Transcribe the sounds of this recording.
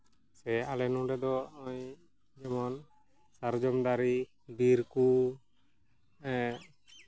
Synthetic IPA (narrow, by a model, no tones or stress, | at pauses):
sɛalɛnuɾɛd̪ɔɔj | d͡ʒɛmɔn | saɾd͡ʒɔmd̪aɾi | biɾku | ɛ